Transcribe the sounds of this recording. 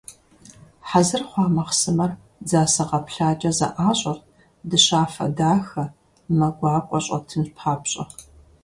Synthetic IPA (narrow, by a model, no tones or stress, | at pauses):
ħazɨrχʷɑːmɐqsɨmɐr | d͡zaːsɐʁɐpɬaːt͡ʃʼɐzɐ̰ʔaːɕʼɐrt̚ʰ | dɨɕaːfɐ̰daːxɐ | mɐɡʷɑːkʷʼɔɕʼɐ̰tʰɨmɕpʰħaːpɕʼɐ̰